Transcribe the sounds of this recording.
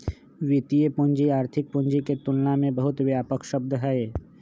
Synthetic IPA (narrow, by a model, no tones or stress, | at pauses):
ʋit̪ijəpʊnd͡ʒiaːɾt̪ʰɪk̚pʊ̃nd͡ʒiket̪ʊnnamẽbəɦʊt̪wjaːpəkʃəb̚d̪ʱɦɛe